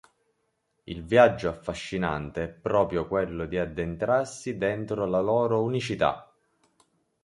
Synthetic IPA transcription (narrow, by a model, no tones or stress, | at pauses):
ḭlvjad͡ʒːoafːaʃːina̰nt̪eɛpːɾɔːpɾjokwelːod̪iad̪ːent̪ɾarsid̪ɛnt̪ɾolalɔːɾounit͡ʃit̪a̰